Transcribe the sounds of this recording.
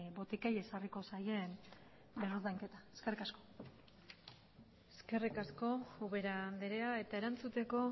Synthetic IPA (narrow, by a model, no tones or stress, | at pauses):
bo̞t̪ikeje̞sariko̞saje̞n | eɾɾðaŋke̞t̪aeskerikasko̞̥ | eske̞rikasko̞uβe̞ɾand̪eɾeae̞t̪ae̞ɾant͡sut̪e̞ko̞